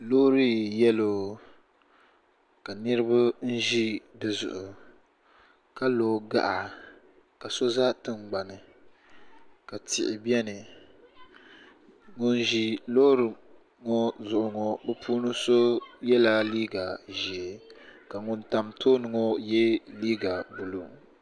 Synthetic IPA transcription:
loː˦ɾi˦jɛ˦loː˨ | ka˨nɨ˦ɾɨ˦ba˦n̩˦ʒi˦dɨ˨zʊ̰˨ʔʊ˨ | ka˦loː˨ɡa̰˨ʔa˨ | ka˨so˦za˦tɨ˦ŋ͡mɡ͡ba˨nɨ˨ | ka˨tɪ̰˨ʔɪ˨bi˦ɛ˦nɨ˨ | ŋʊ˦n˦ʒi˦lo˦ɾɨ˨ | ŋɔ˦zʊ˨ʔʊ˨ŋɔ˦bɛ˦puː˦nɨ˦so˦jɛ˦la˦liː˦ɡa˨ʒi˨ɛ˨ka˨ŋʊ˦nta˨mtʰoː˦nɨ˨ŋɔ˦jɛ˦liː˦ɡa˨bu˨lu˨

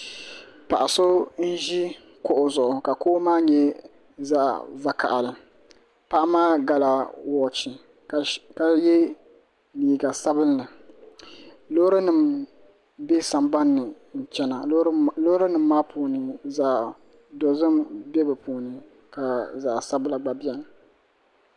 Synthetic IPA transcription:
pa˨ʔa˨so˦n̩˦ʒi˦ | kʊ˦˨ʔʊ˨zʊ˨ʔʊ˨ka˨koː˦maː˦ɲɛ˦ | za˦ʔva˨kʰa̰˨ʔa̰˨lɨ˨ | pa˦ʔmaː˦ɡa˦la˨wɔ˨t͡ʃi˨ | ka˦jɛ˦ | liː˨ɡa˨sa˦bɨ˦nːɨ˨ | lo˦ɾɨ˦nɨ˨m | bɛ˦sa˨mba˦nːɨ˨ | n̩˨t͡ʃɛ˦na˨lo˦ɾɨ˦nɨ˨mː˦aː˦puː˨nɨ˨za˦ʔ | dɔ˨zɨ˦mbɛ˦bɨ˨puː˨nɨ˨ | ka˨za˨ʔsa˦bɨ˦la˨ɡ͡ba˨bi˦ɛ˦n˨

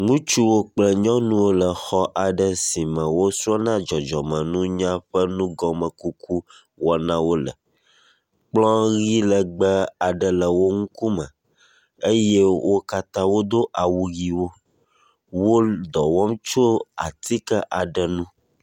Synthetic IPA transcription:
ŋũ˦t͡ʃu˦wo˦k͡plə˦ɲɔ̃˦nũ˦wo˦lə˨xɔ˦ʔa˨ɖə˨si˨mə̃˨wo˦su˦a˦nã˦d͡ʒɔ˨d͡ʒɔ˨mə̃˨nũ˦ɲã˦ɸə˦nũ˦ɡɔ˨mə̃˨ku˦kʰu˦ | wɔ˨nã˦wo˦lə̰˨ | k͡plɔ̃˦ɣi˦lə˨ɡ͡bə˦a˨ɖə˨lə˨wo˦ŋũ˦ku˦mə̰̃˨ | e˦je˦wʔo˦ka˦t̪ã˦wo˦d̪o˦ʔa˨wu˨ɣi˨wo˦ | wo˦d̪ɔ˨wɔ˦mt͡ʃo˦a̰˨t̪ʰi˦kə˦ʔa˨ɖə˨nũ˦

